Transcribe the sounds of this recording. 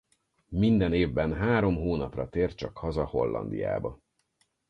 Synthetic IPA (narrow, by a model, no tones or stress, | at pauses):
mind̪ɛneːvbɛnɦaːɾo̞mɦoːnɒprɒt̪eːrt̪̚t͡ʃɒkhɒzɒho̞lːɒ̰nd̪ḭja̰ːbɒ